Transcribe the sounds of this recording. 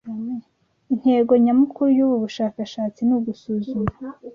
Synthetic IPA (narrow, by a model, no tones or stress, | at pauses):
in̥he̞ːɡo̞ɲamukuɾujuβuβuʃaːkaʃaːt͡sinuɡusuːzuma